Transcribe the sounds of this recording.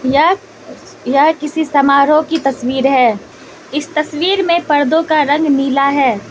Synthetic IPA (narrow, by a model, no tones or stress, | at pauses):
ja | jakɪsisɐmaːɾõkit̪ɐswiːɾɦɛː | ɪst̪ɐswiːɾmẽpɐɾd̪õkaɾɐ̃ŋɡniːlaɦɛː